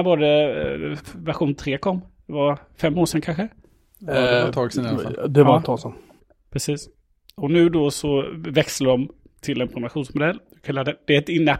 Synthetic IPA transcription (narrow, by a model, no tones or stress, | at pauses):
vaɖɛ | væɾɧuːnt̪ʰɾeːkʰɔmːd̪̥ɛvaɾ | fɛmːoːʂɛnkʰanɧə | t̪ʰɑːɡsɪnad̪ɛvt̪ʰɑsɔm | pʰɾɛsiːs | ɔnʉ̟ːd̪osɔvɛksəɖɔm | t̪ʰɪlɛnpʰɾɔmaɧuːnsmʊd̪ɛlːɪkʰaad̪ɛd̪̥ɛæɾɛt̪ɪnːə